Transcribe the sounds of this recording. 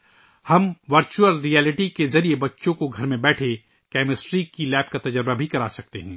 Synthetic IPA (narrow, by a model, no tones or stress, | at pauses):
hɐmʋɐɾt͡ʃuəlɾiːɛːlɪʈikezɐɾiebɐtːʃõkoɡʱɐɾmẽbɛːʈʰe | kɛːmɪsʈɾiːkilɛːp̚kat̪ɐd͡ʒəɾbabʱikɐɾaːsɐk̚t̪ḛɦɛ̃ː